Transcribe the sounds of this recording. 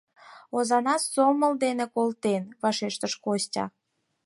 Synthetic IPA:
ozɑnɑsːoməld̪enekolt̪enβɑʃeʃt̪əʃkostʲɑ̰

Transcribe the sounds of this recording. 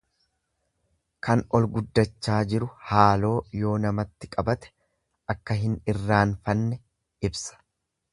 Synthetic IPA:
kɐnɔlɡʊd̪ːɐt͡ʃːaːd͡ʒɪɾʊhaːlo̞ːjo̞ːnɐmɐt̪ːɪkʼɐbɐt̪ɛ̥ | ʔɐkːɐɦɪnɪrːaːnfɐnːɛ | ɪbsɐ̥

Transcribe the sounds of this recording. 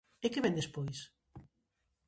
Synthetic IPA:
ɪkeβɛnd̪espojs

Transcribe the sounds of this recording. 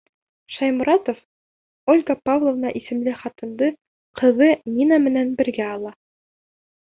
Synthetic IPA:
ʃɑjmɾɑt̪of | olʲɡapavlˠovnɑʔisɘ̆mlɘχɑt̪ɤ̆nd̪ɤ | qɤ̆ðɤninɑmɘ̆nænbɘ̆ɾɡæɑlˠɑ

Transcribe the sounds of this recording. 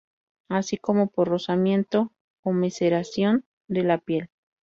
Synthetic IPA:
asiko̞mo̞poɾro̞samje̞nt̪o̞ː | me̞se̞ɾasjo̞n | d̪e̞lapje̞l

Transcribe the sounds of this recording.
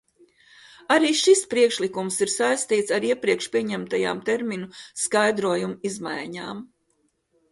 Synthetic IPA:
aɾiːʃispɾiɛkʃlikumsiɾsajst̪iːt̪saɾiɛpɾiɛkʃpʲiɛɲæmt̪aja̰ːmt̪eɾminuskajd̪ɾuɔjumuizma̰jɲaːm

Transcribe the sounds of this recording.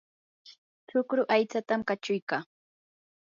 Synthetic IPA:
t͡ʃʊkɾʊʔajt͡sat̪amkat͡ʃʊjkaː

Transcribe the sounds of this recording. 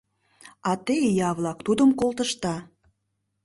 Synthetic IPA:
ɑt̪ejɑβlɑkt̪ud̪əmkolˠt̪əʃt̪ɑ

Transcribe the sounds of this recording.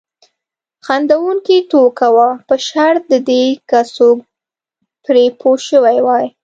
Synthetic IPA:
xand̪awuŋkit̪okawapəʃaɾt̪̚d̪əd̪ekaso | pɾepʰoʃəwajwɑj

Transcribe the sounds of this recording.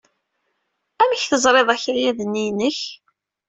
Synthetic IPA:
æməçθəzˤɾˤeðˤæçɾjæðənːinəç

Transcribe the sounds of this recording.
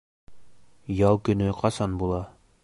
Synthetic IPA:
jɑlˠkɵ̆nɵqʰɑsɑnbulˠɑ

